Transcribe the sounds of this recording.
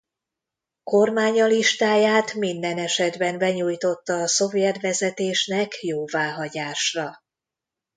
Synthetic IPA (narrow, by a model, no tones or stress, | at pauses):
ko̞rmaːɲɒliʃt̪aːjaːt̪mind̪ɛnɛʃɛd̪bɛnbɛɲuːjt̪o̞t̪ːɒːso̞vjɛt̪ʋɛzɛt̪eːʃnɛkjoːvaːɦɒɟaːʃrɒ